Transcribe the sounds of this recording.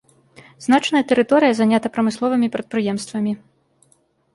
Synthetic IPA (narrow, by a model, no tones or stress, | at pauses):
znat͡ʂnɐjɐt̪ɛɾɨt̪ɔɾɨjɐzanʲat̪ɐpɾɐmɨslˠɔvɨmʲipɾɐt̪̚pɾɨjɛmst̪vɐmʲi